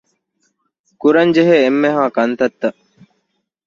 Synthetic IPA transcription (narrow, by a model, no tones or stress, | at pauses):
kuɾɐnd͡ʒeɦeːmːeɦaːkɐnt̪ɐt̪ːɐ